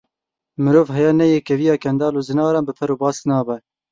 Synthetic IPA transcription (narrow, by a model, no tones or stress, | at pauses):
mɨɾoːvɦɛjɑːnɛjekɛvijɑːkʰɛnd̪ɑːloːzɨnɑːɾɑːnbɨpʰɛɾoːbɑːsnɑːbɛ